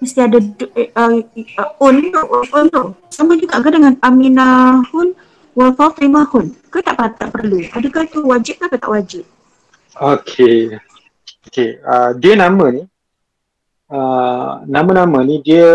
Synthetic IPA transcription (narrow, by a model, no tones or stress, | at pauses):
məst̪iadadə | ʊnt̪ohoont̪ohsaməd͡ʒəkaʔɡədəŋanaminahʊn | walfat̪ɾimahʊnkət̪aʔpət̪aʔpərluʔadəkat̪uwad͡ʒɪp̚kakət̪a̰ʔwad͡ʒɪp̚ | okʰe | okeədiənamə̃ni | ənãmə̃namə̃nĩdiə